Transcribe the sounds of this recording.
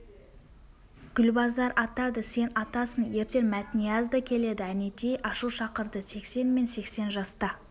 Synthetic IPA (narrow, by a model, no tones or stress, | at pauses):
ɡ̥ʲʏlbɑzɑɾʔɑt̪ɑd̪əse̞nɑt̪ɑsənje̞ɾt̪e̞nmæt̪nijɑzd̪ɑkʲʰe̞le̞d̪ɪæne̞t̪e̞jʔɑʃuwʃɑqəɾd̪əse̞kse̞nmense̞kse̞nʒɑst̪ɑ